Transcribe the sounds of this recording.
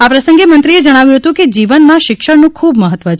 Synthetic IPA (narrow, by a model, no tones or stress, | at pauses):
apɾəsə̃ŋɡemənt̪ɾied͡ʒəɽ̃aʋjũɦət̪ũked͡ʒiʋənmãʃɪkʃəɽnũkʰubməɦət̪ʋət͡ʃʰ